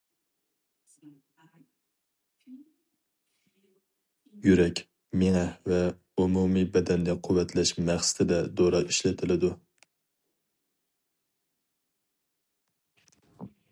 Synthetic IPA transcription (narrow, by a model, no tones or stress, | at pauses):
jyɾɛkʲ | meŋɛvɛ | umumibɛd̪ɛnd̪ʲɛqʰʊwːɛt̪ʰlɛʃmæχsɪ̥t̪ʰɪd̪ɛd̪oɾɑiʃlɪt̪ʰɪlɪd̪u